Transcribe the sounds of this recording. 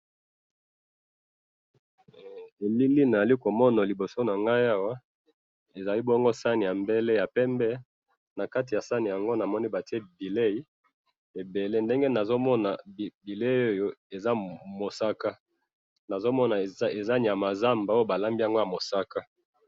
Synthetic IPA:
e˨li˦li˦na˨za˨li˦ko˨mɔ˦na˨li˨bo˨so˦na˨ŋɡa˦ja˦wa˦ | e˨za˨li˦bɔ˦ŋɡo˦sa˦ni˨ja˨mbe˦le˦ja˨pɛ˦mbɛ˦ | na˨ka˦t̬i˨ja˨sa˦ni˨ja˨ŋɡo˦na˨mɔ˦ni˦ba˨ti˦e˦bi˨le˦i˦ | e˨be˨le˦nde˦ŋɡe˦na˨zo˦mɔ˦na̰˨bi˨le˦o˦jo˦e˨za˦mo˨sa˦ka˦ | na˨zo˦mɔ˦na˨e˨za˦ni˨ja˨ma˨za˦mba˨o˦o˦ba˨la˦mbi˦ja˨ŋɡo˦ja˨mo˨sa˦ka˦

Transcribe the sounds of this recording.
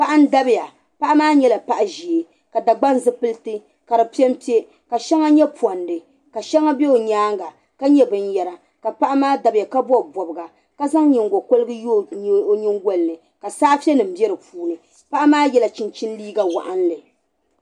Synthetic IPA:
pa˦ʔa˦n̩˦da˦bɪ˦ja˨ | pa˦ʔa˦maː˦ɲɛ˦la˨pa˦ʔa˨ʒi˨e˨ | ka˨da˨ɡ͡ba˦n˦zɨ˦pɨ˦ltɨ˦ | ka˨ɾɨ˨pi˦ɛ˦m˦pi˦e˦ | ka˨ʃɛ˦ŋa˦ɲɛ˦pwɔ˨ndɨ˨ | ka˨ʃɛ˦ŋa˦bɛ˦o˨ɲaː˦ŋɡa˨ | ka˦ɲɛ˦bɨ˦njɛ˨ɾa˨ | ka˨pa˦ʔa˦maː˦da˨bɨ˨ja˨ka˦bɔ˦˨bɔ˨bɨ˨ɡa˨ | ka˦za˦ŋ˦ɲɪ˨ŋɡo˨ko˦lɨ˦ɡɨ˦jo˦o˦ɲɪ˦ŋɡo˦lɨ˨nɨ˨ | ka˨saː˦fi˦ɛ˦nɨ˨m̩˦bɛ˦ɾɨ˨puː˦nɨ˨ | pa˦ʔa˦maː˦jɛ˦la˨t͡ʃi˨nt͡ʃi˦n˦liː˦ɡa˦wa̰˨ʔa˦n˦lɨ˨

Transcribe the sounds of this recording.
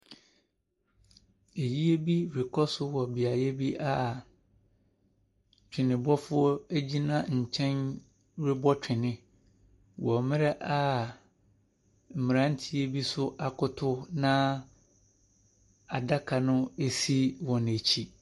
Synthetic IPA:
e˨ji˦e˦bi˦ɾɪ˨kʰɔ˦sʊ˦wɔ˨bi˨a˨jɛ˦bi˦ʔa˦ | t͡ɕᶣʰɪ̃˨nɪ̃˨bɔ˦fʊ˦ɔ˦æ˦d͡ʑi˦nã˦˨ɲ̩˨t͡ɕʰɛ̃˦n | ɾɪ˦bɔ˦t͡ɕᶣɪ˨nɪ̃˨ | wɔ˨mɪ̃˦ɾɛ˦ʔa˦ | m̩˨mɪ̃˨ɾã˦n̩˦tʰi˦e˦bi˦sʊ˦ʔa˨kʰʊ˦tʰʊ˦nã˦ | a˨da˦kʰa˨nʊ̃˦e˦si˦wɔ̃˨n˨e˨t͡ɕʰi˦

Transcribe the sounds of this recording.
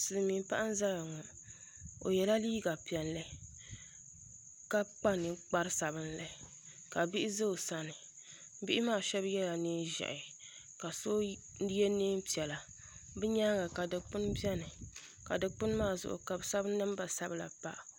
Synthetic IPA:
sɨ˨lɨ˨miː˨˦pa˦ʔa˦n̩˦za˦la˨ŋɔ˨ | o̰˨jɛ˨la˦liː˦ɡa˨pi˨ɛ˨n˦lɨ˦ | ka˦k͡pa˦nɨ˨k͡pa˦ɾɨ˦sa˨bɨ˦nlɨ˨˦ | ka˨bi˦ʔɪ˦zɨ˦˨sa˦nɨ˨˦ | bi˦ʔɪ˦maː˦˨ʃɛ˦bjɛ˦la˨neː˦ʒɛ̰˨ʔɪ˨ | ka˨so˦ | jɛ˦neː˦m˦pi˨ɛ˨la˨ | bɨ˦ɲaː˦ɡa˨ka˨dɨ˨k͡pɨ˦nbɛ˦nɨ˨ | ka˨dɨ˨k͡pɨ˦n˦maː˦˨zʊ̰˨ʔʊ̰˨ka˨bsa˦bn˦nɨ˦m˦ba˨sa˦bla̰˨pa̰˦ʔ

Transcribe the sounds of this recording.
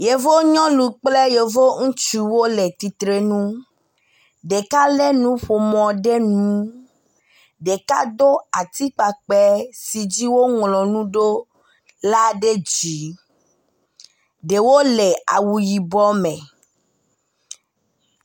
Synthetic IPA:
je˨vo˦ɲɔ̃˦lu˨k͡ple˦je˨vo˦ŋũ˦t͡ʃu˦wo˦le˨t̪i˨t̪ɾe˦nũ˦ | ɖe˨ka˦le˦nũ˦ɸo˨mɔ̃˨ɖe˦nũ˨˦ | ɖe˨ka˦d̪o˦a˨t̪i˦k͡pa˨k͡pɛ˦si˨d͡ʒi˦wo˦ŋlɔ̃˨nũ˦ɖo˦ | la˦ɖe˦d͡ʒi˨˦ | ɖe˨wo˦le˨a̰˨wu˨ji˨bɔ˦mẽ˨

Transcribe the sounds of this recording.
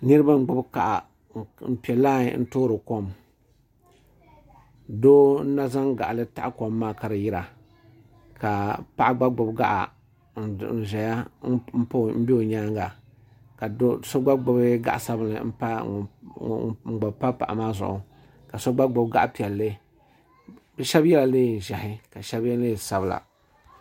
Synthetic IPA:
nɨ˦ɾɨ˦ba˦m̩˦ɡ͡bʊ˦bka˨ʔa˨ | m̩˨pi˨ɛ˨laː˦˨n̩˦toː˦ɾɨ˨ko˦m | doː˦n̩˦na˦za˦ŋɡa̰˨ʔlɨ˦ta˦ʔa˦ko˨mːaː˦ka˨ɾɨ˨ji˦ɾa˨ | ka˨pa˦ʔa˦ɡ͡ba˦ɡ͡bʊ˨bɡa̰˦ʔa̰˨ | n˨n̩˨ʒɛ˨ja˦m̩˦po˦m̩˦be˦o˨ɲaː˦ŋɡa˨ | ka˨˦so˦ɡ͡ba˦ɡ͡bʊ˨bɨ˦ɡa̰˨ʔa˨sa˦bɨ˦lɨ̰˨m̩˦pa˦˨ | ŋ͡m̩˨ɡ͡ba˨bpa˦pa̰˨ʔa̰˨maː˦zʊ̰˨ʔʊ̰˨ | ka˨so˦ɡ͡ba˦ɡ͡bʊ˨bɡa˦ʔpi˨ɛ˨lːɨ˦ | bɛ˦ʃɛ˦bjɛ˦la˨leː˦˨ʒɛ˨hɪ˦ka˨ʃɛ˦bɛ˦leː˦sa˨bɨ˦˨la̰˨

